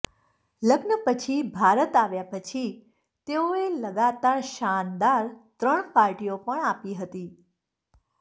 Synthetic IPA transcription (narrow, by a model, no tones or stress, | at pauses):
ləɡnəpət͡ʃʰibʱaɾət̪aʋjapət͡ʃʰi | t̪eoeləɡat̪aɾʃand̪aɾt̪ɾəɳpaɾʈiopəɳapiɦət̪i